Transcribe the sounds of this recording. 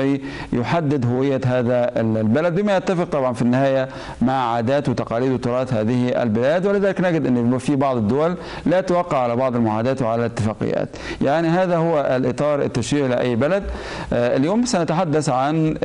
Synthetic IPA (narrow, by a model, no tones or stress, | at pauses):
ʕi | jʊħad̪ːɪd̪ɦʊwɪjːaɦaːðalbalad̪̚bɪmajat̪ːafɪq̚t̪ˤɑbʕɑnfinːɪhaːja | maʕʕaːd̪aːt̪wɪt̪ɑqɑːliːd̪wɪt̪ʊɾˤɑːt̪haːðɪhʔa̰lbɪlaːd̪wɪlɪðæːlɪknaːɡɪd̪ʔɪnːfibɑʕd̪ˤɪd̪ːʊwalː | at̪awɑqːɑʕalabɑʕd̪ˤɪlmʊʕaːd̪aːt̪wɪʕalalɪt̪ːɪfaːqɪ̰jːa̰ːt̪jaʕniɦaːðahʊwːaʔlʔɪ̰t̪ˤɑːɾˤɪ̰t̪ːaʃwiːʕlɪʔa̰jːbalad̪̚ | ʔɪljoːmsanat̪aħad̪ːaθʕan